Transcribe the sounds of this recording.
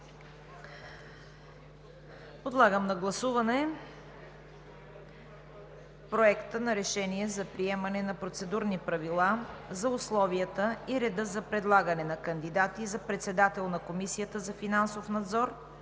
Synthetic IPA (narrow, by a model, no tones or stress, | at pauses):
pod̪lˠaɡəmnɐɡlˠɐsuvɐnɛ | pɾoɛkt̪ənɐɾɛʃɛniɛzɐpɾiɛmɐnɛnɐpɾot̪sɛd̪uɾnipɾɐvilˠazɐʊslˠɔviət̪əiɾɛd̪əzɐpɾɛd̪lˠaɡənɛnɐkənd̪id̪at̪izɐpɾɛt̪sɛd̪at̪ɛlˠnɐkomisiət̪əzɐfinansofnɐd̪zɔɾ